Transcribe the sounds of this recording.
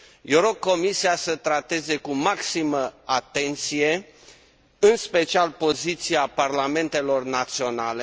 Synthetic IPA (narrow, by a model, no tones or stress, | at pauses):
jewɾo̞ɡ̚kːo̞misiasət̪ɾat̪e̞ze̞kumaksiməat̪e̞nt̪sije̞ | ɨnspe̞t͡ʃialpo̞zit̪siaparlame̞nt̪e̞lo̞rnat̪sio̞nale̞